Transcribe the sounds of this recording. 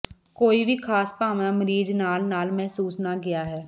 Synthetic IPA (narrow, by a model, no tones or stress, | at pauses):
koːibiːkʰaːspaːʋnaːməɾiːd͡ʒnaːlnaːlmɛɦsuːsnaɡɪjaːɦɛː